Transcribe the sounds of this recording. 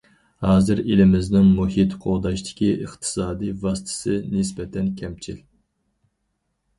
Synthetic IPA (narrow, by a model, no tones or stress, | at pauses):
hɑːzɨɾilɪmɪznɪŋmuhit̪qʰoʁd̪ɑʃt̪ʰɪ̥kʲʰiʔəχt̪ʰɨ̥sɑːd̪ijvɑst̪ʰɨ̥sɨnɪsbɛt̪ʰɛnkʲʰɛmt͡ʃʰil